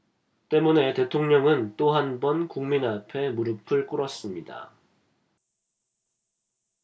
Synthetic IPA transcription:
t͈e̞mune̞te̞tʰoŋɲʌŋɯnt͈oɦanbʌnkuŋminapʰe̞muɾɯpʰɯɭk͈ɯɾʌs͈ɯmɲida̰

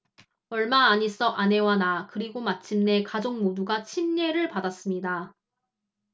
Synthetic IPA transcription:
ʌɭmaːɲis͈ʌʔane̞wanakɯɾiɡomat͡ɕʰimne̞kad͡ʑoŋmoduɡat͡ɕʰimɲe̞ɾɯɭpadas͈ɯmɲida

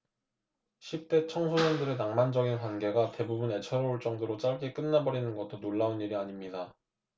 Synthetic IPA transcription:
ɕʰip̚t͈e̞t͡ɕʰʌŋsʰoɲʌndɯɾenaŋmand͡ʑʌɡinkwanɡe̞ɡate̞bubune̞t͡ɕʰʌɾouɭt͡ɕ͈ʌŋdoɾot͡ɕ͈aɭɡek͈ɯnːabʌɾinɯnɡʌt͈onoɭːauniɾiaɲimɲida

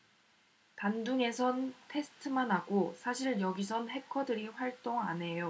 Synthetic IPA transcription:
tanduŋe̞sʰʌntʰe̞sʰɯ̥tʰɯmanɦaɡosʰaɕʰiɭjʌɡis̬ʰʌnɦe̞kʰʌdɯɾiɸwaɭt͈oŋanɦe̞jo

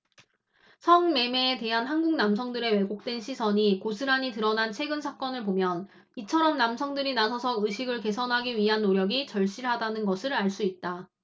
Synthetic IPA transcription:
sʰʌŋme̞me̞ːte̞ɦanɦanɡuŋnamsʰʌŋdɯɾe̞we̞ɡok̚t͈we̞nɕʰisʰʌɲikosʰɯɾaɲitɯɾʌnant͡ɕʰe̞ɡɯnsʰak͈ʌnɯɭpomjʌn | it͡ɕʰʌɾʌmnamsʰʌŋdɯɾinasʰʌsʰʌɯɕʰiɡɯɭke̞sʰʌnɦaɡiɥiɦanːoɾjʌɡit͡ɕʌɭɕ͈iɾɦadanɯnɡʌsʰɯɾaɭs͈uit̚t͈a

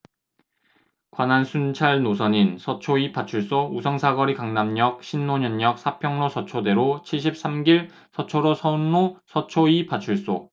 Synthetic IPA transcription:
kwanansʰunt͡ɕʰaɭnosʰʌɲinsʰʌt͡ɕʰoipat͡ɕʰuɭs͈ousʰʌŋsʰaɡʌɾikaŋnamɲʌk̚ɕ͈ʰinːoɲʌɲːʌk̚s͈ʰapʰjʌŋnosʰʌt͡ɕʰode̞ɾot͡ɕʰiɭɕʰip̚s͈amɡiɭ | sʰʌt͡ɕʰoɾosʰʌunːosʰʌt͡ɕʰoipat͡ɕʰuɭs͈o

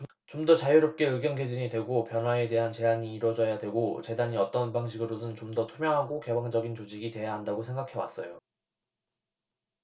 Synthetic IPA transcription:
t͡ɕomdʌt͡ɕajuɾop̚k͈e̞ɯɡjʌnɡe̞d͡ʑiɲidwe̞ɡopjʌnɦwae̞de̞ɦant͡ɕe̞aɲiːɾwʌd͡ʑʌjadwe̞ɡot͡ɕe̞daɲiʌt͈ʌnpaŋɕʰiɡɯɾodɯnt͡ɕomdʌtʰumjʌŋɦaɡoke̞baŋd͡ʑʌɡint͡ɕod͡ʑiɡitwe̞jaɦandaɡosʰe̞ŋɡakʰe̞wa̰s͈ʌjo

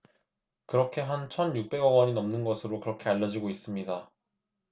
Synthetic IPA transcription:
kɯɾʌkʰe̞ɦant͡ɕʰʌnjuk̚p͈e̞ɡʌɡwʌɲinʌmnɯnɡʌsʰɯɾokɯɾʌkʰe̞aʎːʌd͡ʑiɡois͈ɯmɲida

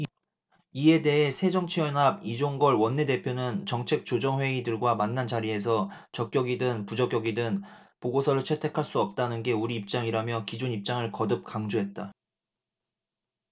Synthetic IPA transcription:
ie̞de̞ɦe̞sʰe̞d͡ʑʌŋt͡ɕʰiʌnɦab̚id͡ʑoŋɡʌɭwʌnːe̞de̞pʰjonɯnt͡ɕʌŋt͡ɕʰe̞k̚t͡ɕ͈od͡ʑʌŋwe̞idɯɭɡwamanːant͡ɕaɾie̞s̬ʰʌt͡ɕʌk̚k͈jʌɡidɯŋpud͡ʑʌk͈jʌɡidɯnpoɡosʰʌɾɯɭt͡ɕʰe̞tʰe̞kʰaɭs͈uʌp̚t͈anɯnɡe̞uɾiːp̚t͡ɕ͈aŋiɾamjʌkid͡ʑunip̚t͡ɕ͈aŋɯɭkʌdɯp̚kaŋd͡ʑoɦe̞t̚t͈a

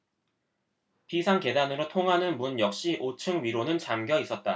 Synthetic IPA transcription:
pisʰaŋke̞danɯɾotʰoŋɦanɯnmunjʌk̚ɕ͈iʔot͡ɕʰɯŋɥiɾonɯnt͡ɕamɡjʌis͈ʌt̚t͈a

